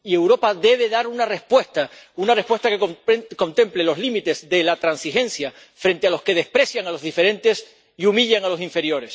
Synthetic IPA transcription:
ie̞wɾo̞paðe̞β̞e̞ðaɾunare̞spwe̞st̪aunare̞hpwe̞st̪akeoko̞nt̪ẽ̞mple̞lo̞zlimit̪e̞zðe̞lat̪ɾansixe̞nsja | fɾẽ̞nt̪e̞alo̞ske̞ð̞e̞spɾe̞sjaŋalo̞zðife̞ɾẽ̞nt̪e̞s | iumiʎaŋalo̞siɱfe̞ɾjo̞ɾe̞s

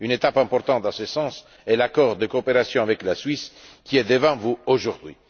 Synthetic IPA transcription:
ynet̪apɛ̃mpɔɾt̪ɑ̃t̪̚d̪ɑ̃sesɑ̃s | ɛlakɔʁd̪əkoːpeɾasjɔ̃avɛklaswɥiskʲiɛd̪əvɑ̃vuoʒuʁd̪ɥḭ

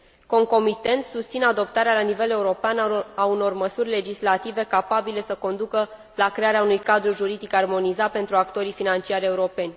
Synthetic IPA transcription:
ko̞ŋko̞mit̪e̞nt̪sust̪sinad̪o̞pt̪aɾealanive̞le̞uɾo̞peanauno̞rməsurʲle̞d͡ʒislat̪ive̞kapabile̞səko̞nd̪ukə | lakɾe̞aɾeaunujkad̪ɾuʒuɾid̪ikarmo̞nizat̪̚pe̞nt̪ɾuakt̪o̞ɾifinant͡ʃiaɾʲe̞uɾo̞pe̞nʲ

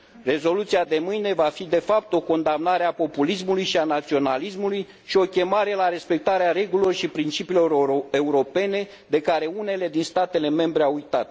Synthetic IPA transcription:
re̞zo̞lut̪sijad̪e̞mɨjne̞vafid̪e̞fap̚t̪o̞ko̞nd̪amnaɾeapo̞pulis̬mulujʃianat̪sio̞nalismuluj | ʃio̞kʲe̞maɾe̞laɾe̞spe̞k̚t̪aɾeaɾe̞ɡulo̞rʃipɾint͡ʃipilo̞ɾe̞uɾo̞pe̞ne̞ | d̪e̞kaɾe̞une̞le̞d̪inst̪at̪e̞le̞me̞mbɾeawujt̪at̪̚

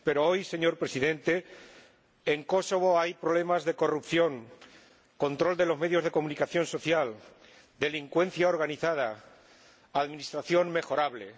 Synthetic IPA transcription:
pe̞ɾoojse̞ɲo̞ɾpɾe̞siðe̞nt̪e̞ː | ŋko̞so̞β̞o̞ajpɾole̞mazðe̞ko̞rupθjo̞ŋ | ko̞nt̪ɾo̞ld̪e̞lo̞zme̞ðjo̞zð̞e̞ko̞mũnikaθjo̞nso̞θjal | d̪e̞liŋkwe̞nθjaoɾɣaniθað̞aː | ðmĩnist̪ɾaθjo̞ŋme̞xo̞ɾaβle̞

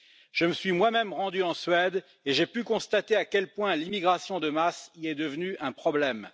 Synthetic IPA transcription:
ʒ̥əməsɥimwamɛmʁɑ̃d̪yɑ̃sɥɛd̪ | eʒepykɔ̃st̪at̪eakʲɛlpwɛ̃limiɡʁasjɔ̃d̪əmasiɛd̪əvnyʔɛ̃pχɔblɛm

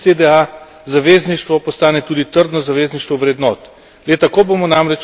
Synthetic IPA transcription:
zed̪ɛa | zaʋeːzniʃt̪ʋɔpɔst̪aːnɛt̪uːd̪it̪əɾd̪nɔzaʋeːzniʃt̪ʋɔʋɾɛd̪nɔt̪ | let̪akoːbomɔnamɾɛt͡ʃ

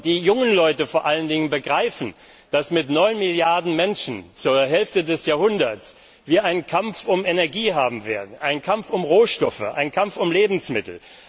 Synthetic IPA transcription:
d̥iːjʊŋənlɔʏtəfoːɐʔaləndɪŋənbəɡʁaɪfn̩ | d̥asmɪtnɔʏnmɪljaɐdn̩mɛnʃn̩t͡suːɐɦɛlftədɛsjaːɐhʊndɐt͡s | viːɐʔaɪnənkʰamfʊmenɛɐɡiːɦaːbm̩vḛːɐdn̩ʔaɪnkʰamfʊmʁoːʃtɔfə̰ʔa̰ɪnkʰamfʊmleːbm̩smɪtl̩

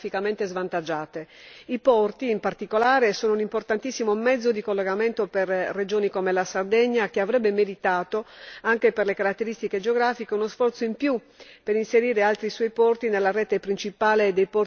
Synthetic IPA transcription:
fikament̪ezvant̪ad͡ʒːaːt̪e | ipɔrt̪iːmpart̪ikolaːɾesoːnounimport̪ant̪isːimomɛd̪zːod̪ikolːeɡament̪operrːed͡ʒoːnikomelasard̪ɛɲːakeavɾɛbːemeɾit̪aːt̪oaŋkeperlekaɾat̪ːeɾist̪iked͡ʒeoɡɾaːfikeunosfɔrt̪soimpju | peɾinseɾiːɾealt̪ɾiswɔjpɔrt̪inelːarɛːt̪epɾint͡ʃipaːled̪ejpɔr

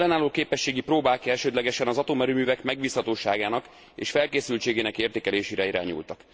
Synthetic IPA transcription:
lːɛnaːloːkeːpɛʃːeːɡiproːbaːkɛlʃøːd̪lɛɡɛʃɛnɒzɒt̪omɛɾyːmyːvɛkmɛɡbiːshɒt̪oːʃaːɡaːnɒk | ḛːʃfɛlkeːsylt͡ʃeːɡeːnɛkeːrt̪eːkɛleːʃeːɾɛiɾa̰ːɲṵlt̪ɒk

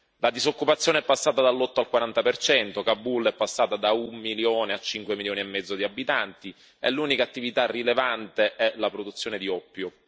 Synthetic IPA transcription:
lad̪izokːupat̪sːjoːneɛpːasːaːt̪ad̪alːɔt̪ːoalkwaɾant̪apert͡ʃɛnt̪okabːulːɛpːasːaːt̪ad̪aumːiljoːneat͡ʃːiŋkwemiljoːniɛmːɛd̪zːod̪iabːit̪ant̪i | ɛ̰lːuːnikaːt̪ːivit̪arːilevant̪eʔɛlapɾod̪ut̪sːjoːned̪iɔpːjo

